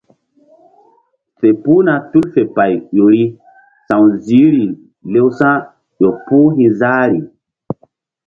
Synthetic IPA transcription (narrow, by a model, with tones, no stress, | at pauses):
fe˨pu˦na˨tu˦lfe˨pa˨jɗo˨ɾi˦ | sã˨wzi˨˦ɾi˨ | le˦wsã˦ | jo˨puː˦ɦĩ˨zaː˦ɾi˨